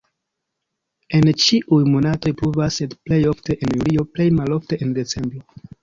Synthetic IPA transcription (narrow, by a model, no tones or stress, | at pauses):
e̞nt͡ʃiʔujmo̞nato̞jpɾuvasedple̞jo̞fte̞ʔenjulio̞ple̞jmalo̞fte̞ʔende̞t͡se̞mbɾo̞